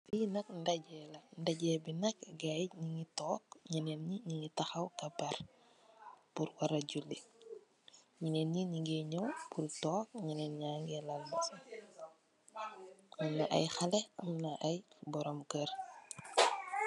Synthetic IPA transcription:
finɐk̚ndɐɟɛlɐndɐɟɛbinɐkɡajɲiŋitɔːk̚ɲinɛnɲiɲiŋitɐxɐwkɐbɐr | puɾwɐɾɐɟulːi | ɲinɛnɲiɲiɡɛɲɔwpurtɔːk̚ɲinɛnɲaːŋɡɛlɐlbɐ | ʔɐmnɐʔɐ̰jxɐlɛɐmnɐʔɐjbɔɾɔmkər

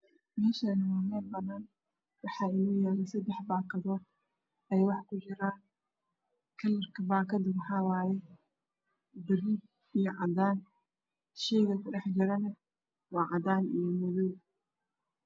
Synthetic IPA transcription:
mɛːʃɐɪnɐwaːmɛːlbɐnaːn | wɑħɑːɪnuːjɛːlɛsɐd̪ɛħbaːkʰɐðɔːd̪̚ | ʔɛjwɑħkʰʊt͡ʃɪɾaː | kʰɐlːɐrkʰɐbaːkʰɐd̪wɑħɑːwaːjɛ | bɪɾid | ijɞʕɑd̪aːn | ʃɛjɣɐkʰʊɗɛħd͡ʒɪɾɐnɐ | wɑːʕɑd̪aːnijɞmʊðuː

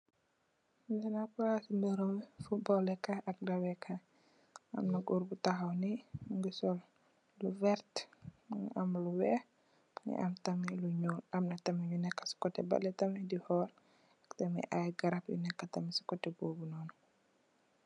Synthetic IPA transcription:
ɛnapuɾasimbɛɾɔmfut̚bɔlɛkaʔɐk̚dɐwɛkʰɐ | ɐ̰mnɐɡɔɾbutaɦawniŋɡusɔl | luvɛɾtnʔɐmluwɛ | nḭʔɐ̰mtɐmiluɲɔlɐmnɐtɐmijunɛkːɐ̥si̥kɔtːɛbɐ̰lɛtɐmidihɔl | ktɐmḭʔajɡɐɾɐpjṵnɛkːatɐmisi̥kɔtɛboːbunɔːn

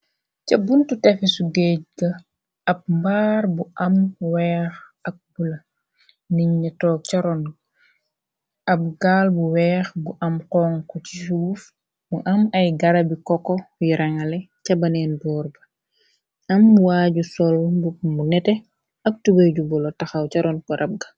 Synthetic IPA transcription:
cɐbuntutɛfisuɡɛɟ̚ɡɐ | ɐp̚mbaːɾbuʔɐmwɛːx | ɐk̚bulɐ | niɲːɐtɔːk̚cɐɾɔn | ɐp̚ɡaːlbuwɛːxbuʔɐmqɔːŋkɔt͡ʃisuːf | muʔɐmɐjɡɐɾɐbikɔkːɔjiɾɐŋɐlɛcɐbɐnɛːnbɔːrbɐ | ɐmːwaːɟusɔlbumunɛtɛ | ɐk̚tubɐɟubɔlotɐxɐwcɐɾɔnkɔɾʔɐp̚ɡɐ̥

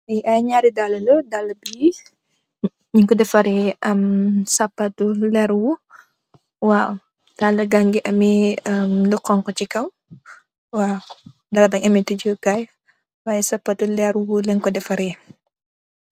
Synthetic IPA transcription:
biʔajɲaɾidaləlɔdaləbi | ɲiŋkɔdɛfaɾiʔəmsapatulɛɾwu | wa | d̥aləɡaŋɡiʔɐmiəmlukɔŋkɔt͡ʃikaw | wa | dalabaŋamitud͡ʒuɡaj | wajsapatulɛɾwuləŋkɔdɛfaɾi

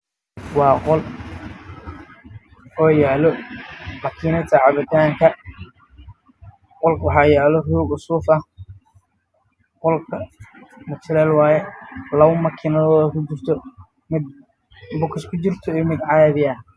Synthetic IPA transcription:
wɑːqɔl | ɔːjaːlɔmɐkʰiːnɐt̪ʰɐʕɑβɪt̪ʰaːŋkʰɐ | qɔlkʰwɑħɑːjaːlɔruːɡʊsuːfɐ | qɔlkʰɐmʊt͡ʃɪlɛːlwɑːjɛlɐwʊmɐkʰːɪnɐðɔːðɐkʰʊt͡ʃɪrt̪ʰɔ | mɪd̪ | bʊkʰɪskʰʊt͡ʃɪrt̪ʰɔɛmɪd̪ʕɑjɐβɪjɐ

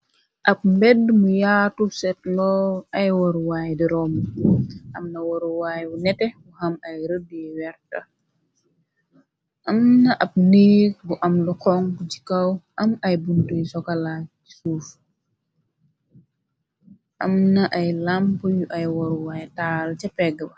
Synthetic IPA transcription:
ʔɐp̚mbɛdːmujaːtusɛtlɔɐjwɔɾwaːjdiɾɔm | ʔɐmnɐwoɾuwaːjwunɛtɛwuhɐmɐjɾədjɛwɛɾtɐ | ʔɐmnɐʔɐb̚neːk̚buʔɐmlukɔŋkd͡ʒi̥kɐwʔɐmɐjbuntujsɔkɐla | i̥suːf | ʔɐmnɐʔɐjlampujuʔɐjwɔɾuwajtaːlt͡ʃɛpːɛɡːəbɐ

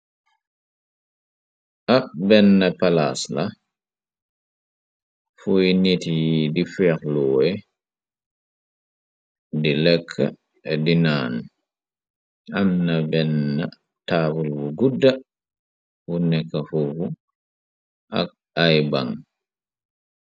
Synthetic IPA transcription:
ʔak̚bɛnːapalasla | fujnitijidifɛːklɔːɛ | dilɛkʰːa̰ | dinaːn | ʔamnabɛnːa | taːbulbuɡudːa | wunɛkːafufu | ʔa̰k̚ | ajbaŋ

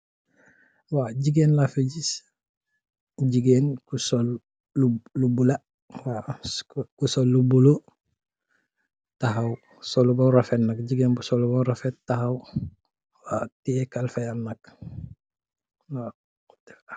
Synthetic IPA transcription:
waɟiɡeːnlafeɟis | ɟiɡenkusolː | ulubula | wa | kusolːubulo | taɦaw | solubɔnɾafetnakɟiɡenbusolubonɾafettahaw | watiekalfejanak̚ | na | t

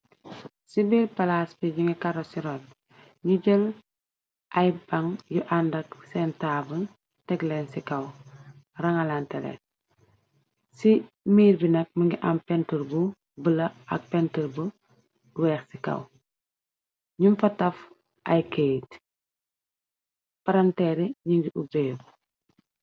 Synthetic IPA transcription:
sibilpɐlasbiɲuŋɡikaɾosiɾɔt̚ | ɲuɟəl | ʔɐjbɐŋjuʔandɐksɛntaːbən | tɛɡlɛnsikɐw | rɐŋɐlantɛlɛ̰n | si | miːɾbinɐk̚mɐŋɡiʔɐmpɛntəlbu | bəlɐʔɐ̰k̚pɛntəlbu | wɛːxsikɐ̰w | ɲumfɐtɐf | ʔɐjkejt | pɐɾɐntɛɾiɲiɡiʔubɛːbu

